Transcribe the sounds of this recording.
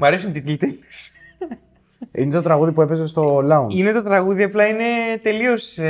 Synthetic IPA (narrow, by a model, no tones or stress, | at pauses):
mɐɾesunt̪it̪ilt̪enis | inet̪ot̪ɾɐɣuðipue̞pe̞zest̪o̞lɐunine̞t̪o̞t̪ɾɐɣuðiɐplɐine̞t̪e̞lios